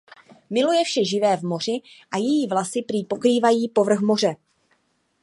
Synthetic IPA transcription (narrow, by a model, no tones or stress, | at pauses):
mɪlujɛfʃɛʒɪvɛːvmo̞r̝ɪʔajɛjiːvlasɪpɾiːpo̞kɾiːvajiːpo̞vr̩xmo̞r̝ɛ